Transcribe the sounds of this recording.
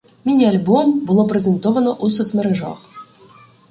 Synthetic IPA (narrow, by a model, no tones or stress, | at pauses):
mʲinʲealʲbombulˠop̬rʲezʲent̪ovə̆noʔus̬ɤ̆smʲɘ̆ɾʲɘ̆ʐɑ̰χ